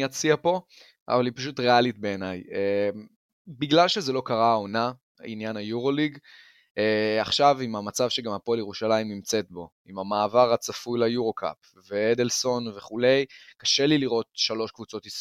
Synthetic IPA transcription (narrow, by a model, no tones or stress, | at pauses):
at͡siapo̞ | ʔa̰valipaʃutʁe̞alitbe̞ːnajem | biɡlalʃezelo̞kaʁao̞na̰ | ḭnjanajuʁo̞liɡ | eaχʃavimamat͡savʃe̞ɡamhapoljeʁuʃalaimnimt͡se̞t̪̚bo̞ | imamaːvaʁat͡safujlajuʁo̞ka̰p | veed̪elso̞nve̞χule̞jkaʃe̞liliʁo̞tʃalo̞ʃkvut͡so̞t̪is